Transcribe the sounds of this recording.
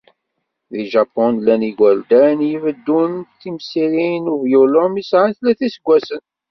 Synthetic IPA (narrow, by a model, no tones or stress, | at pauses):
ðiʒɑpːɔnlæniɡæld̪ænjivəd̪ːunθimsiɾinuvjulomisʕanθlæθisəɡʷːæsən